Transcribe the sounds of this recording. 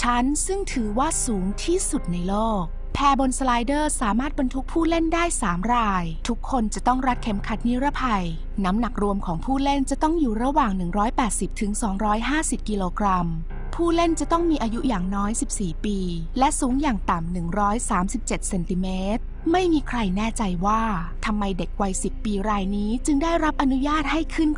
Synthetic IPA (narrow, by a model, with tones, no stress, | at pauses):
t͡ɕʰa˦˥nsɯ˥˩ŋt̪ʰɯː˩˦waː˥˩suː˩˦ŋt̪ʰiː˥˩su˨˩t̪̚na˧jloː˥˩k̚ | pʰɛː˧bo˧nsla˧jdɤː˥˩saː˩˦maː˥˩t̪̚ba˧nt̪ʰu˦˥k̚pʰuː˥˩le˥˩ndaː˥˩jsaː˩˦mɾaː˧jt̪ʰu˦˥kʰːo˧nt͡ɕa˨˩t̪ɔ˥˩ŋɾa˦˥t̪̚kʰe˦˥mkʰa˧˦˩t̪̚ni˦˥ɾa˦˥pʰa˧j | na˦˥mna˨˩k̚ɾu˧əmkʰɔː˩˦ŋpʰuː˥˩le˥˩nt͡ɕa˨˩t̪ɔ˥˩ŋjuː˨˩ɾa˧waː˨˩ŋnɯ˨˩ŋɾɔː˦˥jpɛː˨˩t̪̚si˨˩p̚t̪ʰɯ˩˦ŋsɔː˩˦ŋɾɔː˦˥jɦaː˥˩si˨˩p̚ki˧loː˧kɾa˧m | pʰuː˥˩le˥˩nt͡ɕa˨˩t̪ɔ˥˩ŋmiː˧ʔaː˧ju˦˥ʔjaː˨˩ŋnɔː˦˥jsi˨˩p̚siː˨˩piː˧ | lɛ˦˥suː˨˩˦ŋjaː˨˩ŋt̪a˨˩mnɯ˨˩ŋɾɔː˦˥jsaː˩˦msi˨˩p̚t͡ɕe˨˩t̪̚se˧nt̪i˧˩meː˦˥t̪̚ | ma˥˩jmiː˧kʰɾa˧jnɛː˥˩t͡ɕa˧jwaː˥˩ | t̪ʰa˧mːa˧jde˨˩k̚wa˧jsi˨˩pːiː˧ɾaː˧jniː˦˥t͡ɕɯ˧ŋdaː˥˩jɾa˦˥p̚ʔa˧nu˦˥jaː˥˩t̪̚ha˥˩jkʰɯ˥˩n